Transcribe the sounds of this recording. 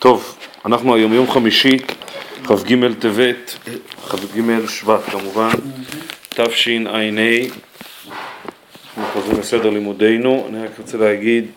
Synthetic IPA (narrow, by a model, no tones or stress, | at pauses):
t̪o̞vanaχnuajo̞mjo̞mχamiʃiχafɡime̞lt̪evet̪χafɡimelʃbat̪kamuvan | t̪afʃinanej | naχnuχozʁimbese̞d̪eʁlimud̪e̞jnua̰niʁakʁot͡selehaɡid̪